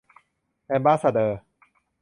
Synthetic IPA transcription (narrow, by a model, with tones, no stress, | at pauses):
ɛ˧mbaː˦sa˧d̪əː˧